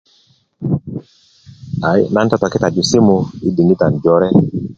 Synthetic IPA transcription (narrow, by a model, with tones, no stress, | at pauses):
a˨jna˦ntɔ˦tɔ˨kɪ˦ta˨d͡ʒu˨si˦mʊ˦i˦di˨ni˦ta˨n˨d͡ʒɔ˦ɾɛ˦